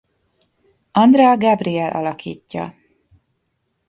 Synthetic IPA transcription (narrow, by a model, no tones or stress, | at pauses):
ɒnd̪rɛːɡabriɛlʔɒ̰lɒkḭːcːɒ̰